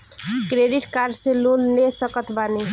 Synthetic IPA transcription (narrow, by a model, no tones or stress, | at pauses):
kɾeɖiʈkaɾd͡ʒselonːesəkət̪bane